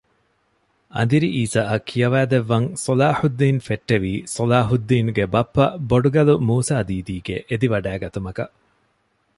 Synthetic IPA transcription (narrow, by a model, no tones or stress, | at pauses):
ɐ̰nd̪iɾiʔiːsaːʔɐkʰːijɐʋæːd̪eʋːɐŋsolaːħud̪ːiːnfeʈːeʋiːsɐlaːɦud̪ːiːnuɡebɐpːɐboɖuɡɐlumuːsaːd̪iːd̪iːɡeʔed̪iʋɐɖæːɡɐt̪umɐkɐ